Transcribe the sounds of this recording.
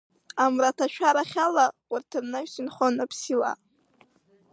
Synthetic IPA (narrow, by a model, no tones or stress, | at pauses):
amratʰaʃʷᶣʰaɾaχʲalawʷʊrtʰɨrnaʃsɨnχonapʰsila̰